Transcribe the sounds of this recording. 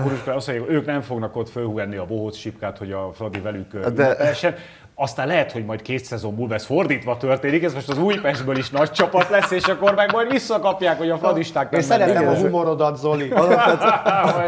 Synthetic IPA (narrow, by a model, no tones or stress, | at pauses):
onoʃkoɒst̪ːoɲaːkøːknɛɱfo̞ɡnɒkot̪følhuɡɛnːiɒboɦoːsʃipkaːt̪ho̞ɟɒflɒd̪ivɛlykːød̪ɛpɛɛʃːɛn | ɒst̪aːnlɛɦɛt̪ho̞ɟmɒjt̪keːt̪sɛzo̞mbulvɛsford̪iːt̪ʋɒt̪ørt̪eːnikɛzmo̞ʃt̪ɒzuːjpɛʒd̪̚bøːliʃnɒc̚t͡ʃɒpɒt̪lɛsːeːʃɒkːormɛɡmɒjd̪ʋisːɒkɒpjaːkho̞ɟɒfrɒd̪iʃt̪aːkmɛɛɾɛɛɦumoɾod̪ɒt̪zoli